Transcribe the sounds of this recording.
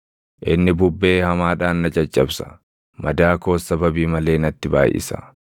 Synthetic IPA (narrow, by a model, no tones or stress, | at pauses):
ʔɪnːɪbʊbːe̞ːhɐmaːᶑaːnːɐd͡ʒɐt͡ʃʼːɐbsɐ̥ | mɐd̪aːko̞ːsɐbɐbiːmɐle̞ːnɐt̪ːɪba̰ːjʔɪ̰sɐ̥̰